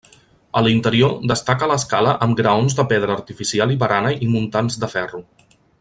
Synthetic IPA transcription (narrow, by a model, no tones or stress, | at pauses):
əlint̪əɾiod̪əst̪akələskaləʔəmɡɾəonzðəpeð̞ɾəːɾt̪ifisialˠiβəɾanəʔimunt̪anzd̪əfɛru